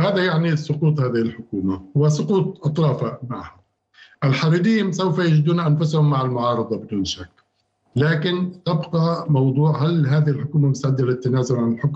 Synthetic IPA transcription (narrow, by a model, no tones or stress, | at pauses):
haːðajaʕnisˤʊquːt̪ˤhaːðɪhɪlħʊkuːmawɪsˤʊquːt̪̚ˤʔɑt̪ˤɾˤɑːfamaʕhʊm | ʔɪlħɑɾiːd̪iːnsawfajad͡ʒd̪uːnaʔanfʊshʊmːaʕalmʊʕɑːɾˤɨd̪ˤɑbɪd̪uːnʃakː | laːkɪnt̪ɪbqɑmɑwd̪ˤuːʕɦalɦaːðɪhɪlħʊkuːmamʊst̪aʕɪd̪ːalɪt̪ːanaːzʊlʕanɪlħʊkm